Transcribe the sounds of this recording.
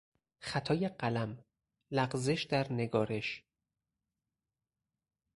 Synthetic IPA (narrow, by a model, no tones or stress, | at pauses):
xæt̪ʰɒːjeɢælæm | læɢzeʃd̪æɾne̞ɡɒːɾe̞ʃ